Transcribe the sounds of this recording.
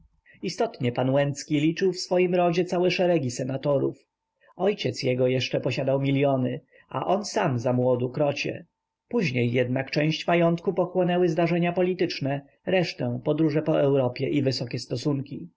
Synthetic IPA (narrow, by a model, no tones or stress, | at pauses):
ist̪ɔt̪ɲɛpanwɛnt̪skʲilʲit͡ʂɘwfsfɔjimɾɔd͡ʑɛt̪sawɛʂɛɾɛɡʲisɛnat̪ɔɾṵf | ɔjt͡ɕɛt̪sjɛɡɔjɛʂt͡ʂɛpɔɕad̪awmʲilʲjɔnɘ | a̰ʔɔnsamzamwɔd̪ukɾɔt͡ɕɛ̰ | puʑɲejːɛd̪nakt͡ʂɛ̃w̃ɕt͡ɕmajɔnt̪kupɔxwɔnɛwɘzd̪aʐɛɲapɔlʲit̪ɘt͡ʂnɛ | ɾɛʂt̪ɛ̃pɔd̪ɾuʐɛpɔʔɛwɾɔpʲjɛʔivɘsɔkʲɛst̪ɔsuŋkʲi